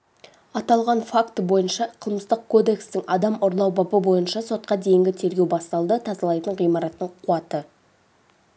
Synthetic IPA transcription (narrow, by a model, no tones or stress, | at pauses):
ɑt̪ɑlˠʁɑnfakt̪əbo̞jənʃɑqʰəlˠməzt̪əq̚kʰo̞d̪e̞kst̪ɪŋɑd̪ɑmʊɾlˠɑwbɑbəbo̞jənʃɑso̞t̪̚qɑd̪e̞jɪŋɡʲɪt̪ʰe̞ɾɡʲe̞wbɑst̪ɑlˠd̪ət̪ʰɑzɑlˠɑjt̪əɴʁijmɑɾɑt̪ːəɴqʰuɑt̪ə